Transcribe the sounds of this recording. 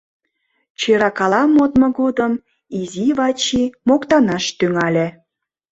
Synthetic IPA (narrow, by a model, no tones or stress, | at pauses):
t͡ɕeɾɑkɑlɑmot̪mŏɣod̪əm | iziβɑt͡ɕimokt̪ɑnɑʃt̪yŋɑlʲe